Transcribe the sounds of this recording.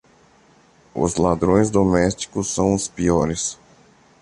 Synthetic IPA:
ʊ̰zlad̪ɾõj̃zd̪omɛst͡ʃi̥kʊsːɐ̃w̃ʊspiɔɾɪs

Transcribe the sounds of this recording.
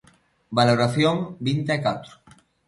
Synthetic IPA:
baloɾaθjoŋbint̪eakat̪ɾo̥

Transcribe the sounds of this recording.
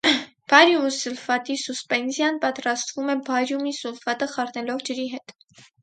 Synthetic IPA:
b̥ɑjɾjumusulfɑt̪isuspɛnzjɑnpɑt̪ɾɑst̪vumɛbɑjɾjumisulfɑt̪əχɑrnɛlɔvd͡ʒəɾiɦɛt̪

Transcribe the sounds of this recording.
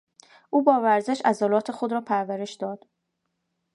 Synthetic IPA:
ʔuːbɒːvæɾze̞ʃʔæzɒlɒːt̪ʰe̞xod̪ɾɒːpʰæɾvæɾeʃd̪ɒːd̪̥

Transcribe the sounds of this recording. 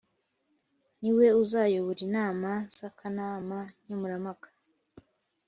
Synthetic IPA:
niwe̞uzaːjoβoɾinaːmaz̥akʰanaːmaɲ̥omuɾamakʰḁ

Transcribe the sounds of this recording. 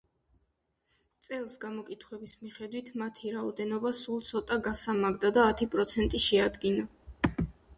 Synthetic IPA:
t̪sʼɛlˠsɡamɔkʼit̪ʰχwɛbismiχɛd̪wit̪ʰmat̪ʰiɾaɔd̪ɛnɔbasulˠt̪sʰɔt̪ʼaɡasamaɡd̪ad̪aːt̪ʰipʼɾɔt̪sʰɛnt̪ʼiʃɛad̪ɡina

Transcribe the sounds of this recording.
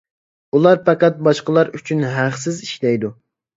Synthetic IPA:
ulˠɑɾpɑqæt̪̚bɑʃqəlˠɑɾyt͡ʃʰynɦæχsɪziʃlɛjd̪u

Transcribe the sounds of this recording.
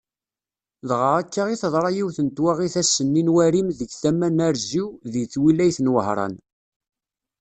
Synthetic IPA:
ðʁəɾækːaʁiθðˤɾˤɑjiwθənt̪waʁiθæsənːinwæɾimðəɡθæmːænæɾziwðijθwilæjθnwəhɾˤɑ̰n

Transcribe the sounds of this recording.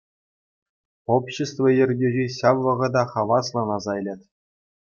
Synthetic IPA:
opɕɘ̆st̪vɤ̆jɘ̆rʲɡʲeʑʲiɕɑʋːɤ̆ʁɤ̆d̪ɑχɑʋɑslˠɤ̆nɑzɑlʲetʲ

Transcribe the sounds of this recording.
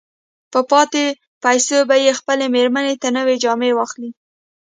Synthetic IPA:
pəpɑt̪e | pajsobajexpəlemeɾmanet̪anəwed͡ʒɑmewɑxli

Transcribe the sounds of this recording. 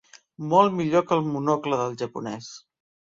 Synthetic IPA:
mɔlˠmiʎokəlˠmunɔkləðəlˠʒəpṵnɛs

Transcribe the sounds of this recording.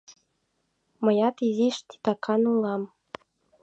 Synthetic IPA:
məjɑt̪iziʃt̪i̥t̪ɑkʰɑnulɑm

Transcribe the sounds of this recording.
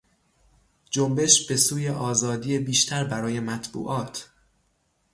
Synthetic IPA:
d͡ʒombe̞ʃb̥e̞suːjeʔɒːzɒːd̪iːebiːʃt̪ʰæɾbæɾɒːje̞mæt̪ʰb̥ṵːʔɒːt̪ʰ

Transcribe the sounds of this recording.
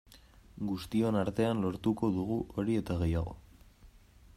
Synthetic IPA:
ɡust̪io̞naɾt̪e̞anlo̞ɾt̪uko̞ðuɣ̞uʔo̞ɾie̞t̪aɣe̞jaɣ̞o̞̰

